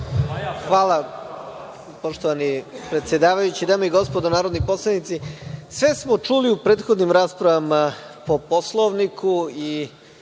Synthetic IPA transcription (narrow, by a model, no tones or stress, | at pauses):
xʋaːlˠa | poʃt̪oʋanipɾet̪sʲje̞d̪aːʋajut͡ɕid̪aːmeiɡo̞spod̪onaːɾod̪niposlˠanit̪sisʋe̞smo̞t͡ʃuliupɾed̪xo̞d̪nimɾaːspɾaʋama | po̞poslˠoʋnikʰui